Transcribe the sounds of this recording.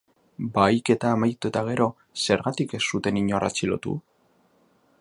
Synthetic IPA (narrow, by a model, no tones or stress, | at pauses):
bajke̞t̪aːmajt̪uet̪aɣ̞e̞ɾo̞ | se̞ɾɣat̪ike̞sːut̪e̞niɲoara̰t͡silo̞̰t̪ṵ